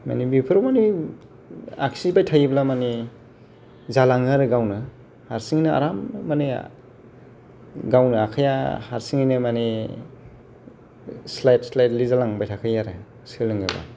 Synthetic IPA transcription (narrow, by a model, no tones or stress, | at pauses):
ma̰nibipʰɯɾɔmani | a̰ksibajtʰajiblamani | zalaŋaɾɯɡawnɯ | haɾsiŋinɯa̰ɾamːani | ɡawnɯakʰajaha̰ɾsiŋinɯmani | slajt̚slajtlizalaŋbajtʰakʰajaɾɯ | sɯlɯŋɯba̰